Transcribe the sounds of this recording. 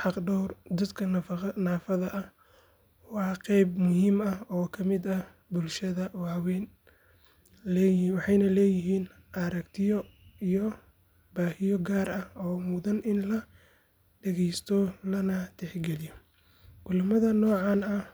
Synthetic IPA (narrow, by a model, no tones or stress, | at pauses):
ħɑqɖɔwrd̪ɐd̪kʰɐnaːfɐðɐʔɐh | wɑːqɛjbmʊhiːmɐɔːkʰɐmɪd̪ɐ | bʊlʃɐðɐwɑːwɛn | lɛjwɑħɑjnɐlɛːjɪɦiːn | ʔɐɾɐkt̪ʰɪjɔijɔ | baːhɪjɔɡaːɾɐhɔːmʊðɐnɪnlɐ | ɖɛɣɛjst̪ʰɔlɐnɐt̪ʰɛħɡɛlɪjɔ | kʊlɐmɐðɐnɔːʕɑːnɐ